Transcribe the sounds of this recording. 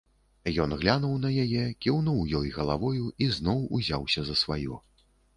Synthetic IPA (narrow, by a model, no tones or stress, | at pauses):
jɔnɣlʲanuwnɐjajɛkʲiwnuwjɔjɣɐlˠavɔjuiznɔwuzʲawsʲɐzɐsvajɔ̰